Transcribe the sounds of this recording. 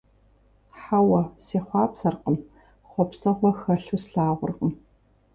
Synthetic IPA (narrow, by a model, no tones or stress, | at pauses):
ħawɐseːχʷɑːpsɐrqəm | χʷɔpsɐʁʷɔxɐɬusɬaːʁʷʊ̰rqəm